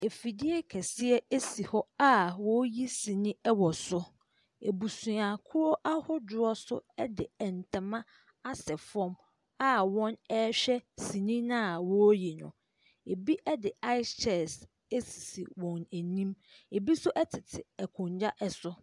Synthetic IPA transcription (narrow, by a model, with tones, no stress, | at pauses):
e˨fi˨dɪ˦ɛ˦kʰɛ˨sɪ˦ɛ˦e˦si˨hɔ˦a˦wɔ˦ji˦sĩ˨nĩ˦ɛ˦wɔ˨sʊ˦ | e˨bu˨sũ˨a˨kʰʊ˦ɾɔ˦ʔa˦hʊ˦dʊ˨ɔ˦sʊ̰˦ɛ˦dɪ˨ɛ˨n̩˨tʰã˨mã˦ | a˦sɛ˨fɔ̃˦m | a˦wɔ̃˦nɛ˦ɕᶣɛ˦si˨nĩ˦nã˦˨wɔ˦ji˨nʊ̰̃˨ | e˨bi˦ʔɛ˦dɪ˨a˦ɪ˦t͡ʃʰɛ˨s | e˦si̥˨si˨wɔ̃˨næ˨nĩ˦m | e˨bi˦sʊ˦ʔɛ˦tʰɪ˨tʰɪ˨ɛ˨kʰʊ̃˨ɲd͡ʑa˦ʔɛ˨sʊ˦